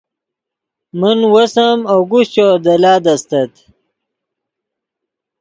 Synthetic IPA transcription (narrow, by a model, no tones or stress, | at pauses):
mənwɐsɐmawɡuɕt͡ɕod̪ɐlaːd̪ɐst̪ɐt̪